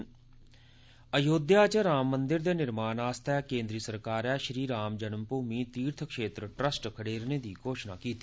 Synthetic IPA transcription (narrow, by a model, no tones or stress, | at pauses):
əjoːd̪jaːt͡ʃəɾaːmːə̃nd̪ɪɾd̪eːnɪɾmaːnaːst̪ʰakẽːnd̪ɾiəsəɾkaːɾɛʃɾiːɾaːmd͡ʒənəmpuːmit̪iːɾt̪ʰəkʃeːt̪ɾəʈɾəsʈkʰəɽeːɾned̪ikoːʃna̰ːkiːt̪i